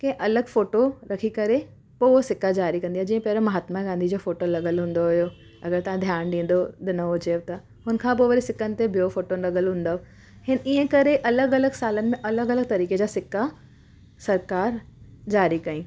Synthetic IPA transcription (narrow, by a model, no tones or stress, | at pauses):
kɐ̃ɦʔɐləɡfoːʈoɾɐkʰikɐɾe | poːosɪkːad͡ʑaːɾikɐ̃nd̪ijaːd͡ʑiːə̃pɐɦɾomɐɦaːt̪maɡãːn̆d̪ʱid͡ʑoːfoːʈolɐɠəlɦũːnd̪oɦʊjo | ɐɡəɾt̪ɐʋ̤ãd̪ʱjaːñɖ̪ĩːn̆d̪od̪ɪnəod͡ʑebt̪ɐ | ɦʊnəkʰãpoːʋɐɾisɪkənɪ̆t̪ebʱijofoːʈonɾɐɠəlɦũːn̆d̪a | hɪniɦə̃kɐɾeʔɐləɡɐləɡsaːlənɪ̆mẽʔɐləɡɐləɡ̚t̪ɐɾiːked͡ʑaːsɪkːa | sɐɾkaːɾd͡ʑaːɾikɐĩː